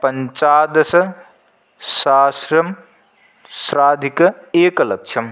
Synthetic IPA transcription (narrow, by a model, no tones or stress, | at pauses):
pɐnt͡ʃaːd̪ɐsɐ | saːsɾɐm | sɾaːd̪ʱikɐeːkɐlɐk̚t͡ʃʰɐm